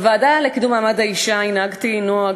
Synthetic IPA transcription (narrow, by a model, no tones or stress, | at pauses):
vaːd̪alekid̪umaːmad̪aiʃainaɡt̪inoaɡ